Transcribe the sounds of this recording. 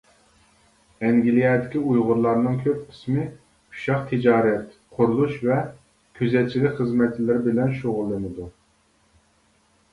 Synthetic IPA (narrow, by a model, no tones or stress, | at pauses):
ɛŋɡʲilijɛd̪ɪkʲiujʁʊɾlˠɑɾnɨŋkʲʰøp̚qʰɪ̥smɪ | u̥ʃɑqt̪ʰɪd͡ʒɑːɾɛt̪ | qʰʊɾulˠuʃvɛ | kʲʰøzɛt̪̚t͡ʃʰilɪkʲχəzmɛt̪t͡ʃɪlɪɾɪbɪlɛnʃoʁʊlˠːɨnɨd̪u